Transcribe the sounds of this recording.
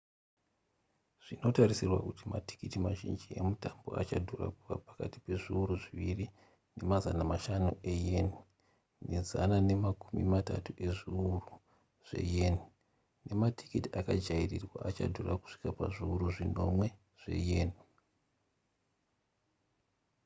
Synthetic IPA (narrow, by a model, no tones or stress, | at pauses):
ʐ̥ino̞tarisirwa̰kutimati̥kitimaʒind͡ʒie̞mutambo̞̰ʔat͡ʃadʱura̰kuka̰pḁkati̥pe̞ʐiuɾuʐiʋiri | ne̞mazanamaʃanuʔe̞jeni | ne̞zanane̞makumḭmata̰tuʔe̞ʐiuru | ʐ̥e̞̰jeni | ne̞matʰi̥kitiakad͡ʒairirwa̰ʔat͡ʃa̰dʱuraku̥ʂi̥kapaʐiːɾuʐino̞mwe̞ | ʐ̥e̞̰jeni